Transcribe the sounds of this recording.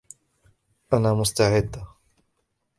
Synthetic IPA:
ʔanaːmʊst̪aʕɪd̪ː

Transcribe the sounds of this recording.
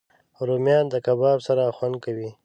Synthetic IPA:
ɾomjɑnd̪əkabɑbsaɾaxwand̪̚kawi

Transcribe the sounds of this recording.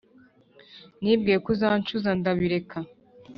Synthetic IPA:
nib̚ɡiekuzaːnt͡ʃuzandaβiɾekʰa

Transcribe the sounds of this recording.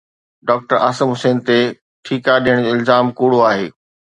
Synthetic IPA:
ɖɔːk̚ʈəɾaːsəmɦʊseːnt̪e | ʈʰiːkaɗijəɽ̃oɪlzaːmkuːɽoaːɦḛː

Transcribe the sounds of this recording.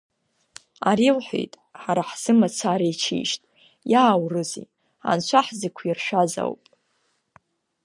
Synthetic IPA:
aɾilħʷḛjtʼ | ħaɾaħz̥ɨmat͡sʷʰaːɾejt͡ʃʰḭʃtʼ | jaːwrɨzḭ | a̰nt͡ʃʷʰaħzekʷʰirʃᶣaza̰wpʼ

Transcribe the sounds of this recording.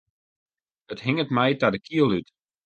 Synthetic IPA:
ətɦɪŋətmɛjtadəkʰiəlˠyt

